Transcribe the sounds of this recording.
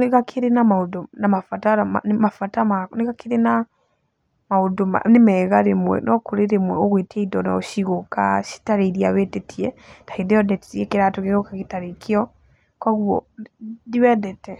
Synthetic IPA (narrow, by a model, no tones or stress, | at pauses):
neɣakʰeɾenamaodonamafataɾama̰nmafatamaneɣakʰeɾena | maodoma̰nemɛːɣaɾemwɛ̰nʔɔkoɾeɾemwɛɔɣwetɛidɔna̰oʃiɣokaʃi̥taɾeiɾiaβɛtetʰiɛtḁiðeɔdɛtiiɛkeɾatoɣeɣokaɣetaɾekʰeɔ | kwaɣuɔ̰diβɛdɛtɛ